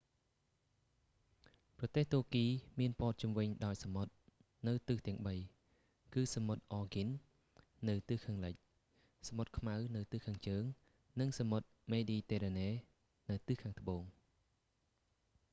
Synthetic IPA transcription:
prɑt̪eːht̪uəkiːmiənpŏət̪̚t͡ɕumʋɨɲɗaɔjsamot̪̚ | nɨwt̪ɨht̪ɛ̆əŋɓəj | kɨːsamot̪̚ʔɑːɡin | nɨwt̪ɨːhkʰaːŋlɨc̚ | samot̪̚kʰmawnɨwt̪ɨhkʰaːŋt͡ɕəːŋ | nɨŋsamot̪̚meːɗiːt̪eːɾaːneː | nɨwt̪ɨhkʰaːŋt̪ə̆ɓoːŋ

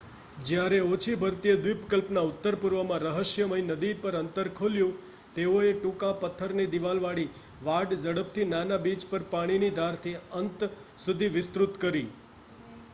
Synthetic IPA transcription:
d͡ʒjaɾeot͡ʃʰibʱəɾt̪ijəd̪ʋɪpkəlpnaʊt̪ːəɾpʊɾʋəmãɾəɦəʃjəməjnəd̪ipəɾənt̪əɾkʰoljũ | t̪eoeʈũkãpət̪ʰːəɾned̪iʋalʋaɽi | ʋaɖd͡ʒəɽəpt̪ʰinanabid͡ʒpəɾpaɽ̃inid̪ʱaɾt̪ʰiənt̪ | sud̪ʱiʋɪst̪ɾut̪kəɾi

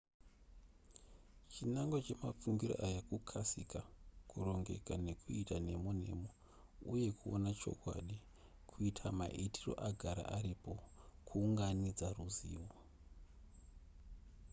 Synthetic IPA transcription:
t͡ʃinaŋɡot͡ʃe̞mafuŋɡiroʔajakukʰasikakuro̞ŋɡe̞̰kane̞kʰuitane̞mone̞̰mo | uje̞kʰuo̰nat͡ʃo̞̰kwa̰ɗi | kʰuitʰama̰ʔitʰiro̞̰ʔaɡʱaɾa̰ʔaɾipo̞kʰuːŋɡanid͡zaruziːwo

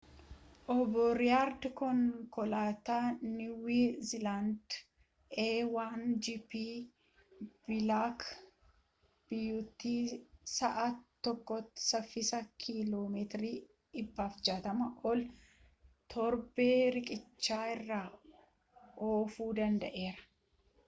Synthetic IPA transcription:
ʔɔbːɔɾɪjaːɾd̪kɔŋkɔlaːt̪aːnɪwiːzɪland̪ | ʔeːwaːnd͡ʒipiː | b̥ɪlaːk | b̥ɪjːut̪ːiːsɐʔat̪ːɔkːɔt̪ːɪ̥sɐfɪsɐkʰiloːmet̪ɪɾiː | ɪbːaːfd͡ʒaːt̪ɐmɐʔɔl | t̪ʰɔɾbeːɾɪkʼɪt͡ʃːaːɪrːaː | oːfuːd̪ɐnd̪ɐʔe̞ːɾɐ̥

